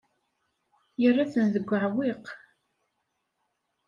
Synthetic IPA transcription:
jərˤːaθənðəɡʷːəʕwiq

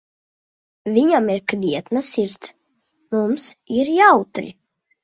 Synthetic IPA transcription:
vʲiɲamiɾkd̪ʲiɛt̪nasiɾt̪s | mumsiɾjawt̪ɾḭ

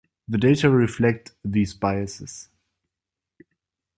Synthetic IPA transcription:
ðədeɪtəɹɪflɛk̚tðiːzbaɪɨsɪs

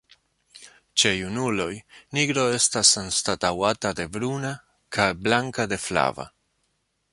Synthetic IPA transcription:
t͡ʃe̞junulo̞jniɡɾo̞e̞stasanstatawatade̞bɾuna | kʰajblaŋkade̞fla̰va̰

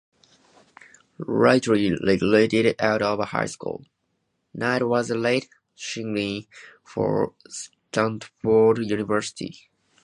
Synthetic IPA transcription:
ɹaɪtɹilɪɡleɪɾɪɾaʊɾʌvha̰ɪskṵlˠ | naɪtwʌzəleɪt | ʃɪ̃ŋlĩ | fə̰˞s | tãntfɔɹdjʉnɨvɜ˞sɪ̥tʰḭ

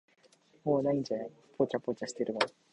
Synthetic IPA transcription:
moːnaĩɲd͡ʑa | pʰot͡ɕapot͡ɕaɕi̥t̪eɾɯ̟ɡa

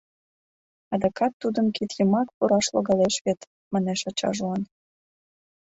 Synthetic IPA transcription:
ɑd̪ɑkɑt̪ːud̪ənkit̪jəmɑkpuɾɑʃlo̰ɣɑleʃβet̪ | mɑneʃɑt͡ɕɑ̰ʒlɑn

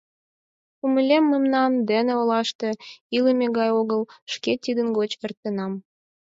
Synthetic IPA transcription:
uməlʲemːəmnɑmd̪eneolɑʃt̪e̽iləmeɣɑjoɣəlʃket̪id̪ənɣot͡ɕert̪ənɑm

